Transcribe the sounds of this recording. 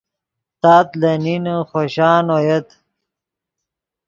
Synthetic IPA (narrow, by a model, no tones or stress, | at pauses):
t̪aːt̪lɐninəχoɕɑːnojet̪